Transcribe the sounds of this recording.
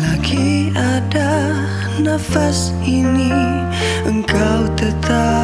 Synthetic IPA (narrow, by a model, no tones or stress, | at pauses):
laɡi | a | da | nafas | ini | ʔəŋkawt̪ət̪ʰa